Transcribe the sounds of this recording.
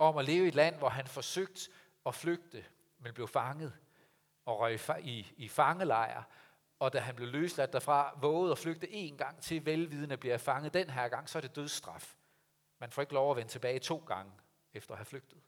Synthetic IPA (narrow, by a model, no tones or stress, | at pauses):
ɒ̽mæle̝ːʊəe̝d̥læn̰ʋɒɦænfɒ̽søɡ̥̚d̥ | ɒ̽fløɡ̥̚d̥ə | menb̥le̝ʊfɑ̈ŋəð̞̩ˠ | ɒ̽ʁœfiːfɑ̈ŋəlɑ̈ɪɐ̰ | ɒ̽d̥æɦænb̥le̝ʊløːslæd̥ːæfʁɑ̈ʋɔ̽ːʊð̞̩ˠɒ̽fløɡ̥̚d̥əʔe̝ːnɡ̥ɑ̈ŋ̰t͡sʰe̝lʋelʋið̞ˠənəb̥liɐfɑ̈ŋəð̩ˠd̥enɦæɐ̰ɡ̥ɑ̈ŋ̰sɒæɐde̝d̥øð̞ˠsd̥ʁɑ̈f | mænfɒ̽e̝ɡəlɒʊɐʋent͡sʰe̝b̥ɛːɪt͡sʰo̝̰ːɡ̥ɑ̈ŋə | efd̥ɐɒɦæfløɡ̥d̥ð̩ˠ